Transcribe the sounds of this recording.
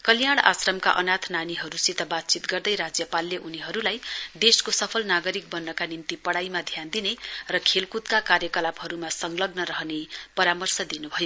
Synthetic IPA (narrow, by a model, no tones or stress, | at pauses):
kʌljaɽ̃a̰srʌmka̰ʔʌnat̪ʰnaniɦʌɾusit̪ʌbat̪̚t͡sit̪ɡʌrd̪ʌjɾad͡zjʌpalːeʔuniɦʌɾulajd̪eskosʌpʰʌlnaɡʌɾik̚bʌnːʌkanimt̪ipʌɽajmad̪ʱjand̪inerʌkʰelkut̪kakaɾjʌkʌlabɦʌɾumasʌŋlʌɡnʌɾʌɦnepʌɾamʌrsʌd̪inubʱʌjo